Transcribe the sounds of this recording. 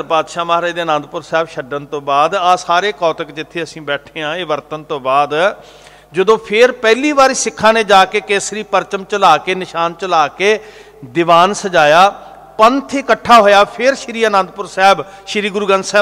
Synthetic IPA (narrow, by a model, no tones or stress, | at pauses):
paːd̪ʃaːmaːɾaːjd̪eːənə̃nd̪̚pʊɾsɛːbʃəɖənt̪õːbaːd̪aːsaːɾeːkɔːt̪əkd͡ʒɪt̪ʰːeːəsĩːbɛːʈʰeːãːeːʋəɾt̪ənt̪õːbaːd̪ | d͡ʒəd̪õːpʰɪɾpɛːliːbaːɾiːsɪkʰːãːneːd͡ʒaːkeːkeːsɾiːpəɾt͡ʃəmt͡ʃəlaːkeːnɪʃaːnt͡ʃəlaːkeː | d̪ɪʋaːnsəd͡ʒaːjaː | pənt̪ʰeːkəʈʰːaːɦoːjaːpʰɪɾʃɾiːənə̃nd̪̚pʊɾsɛːbʃɪɾiːɡʊɾuːɡə̃nd̪sɛː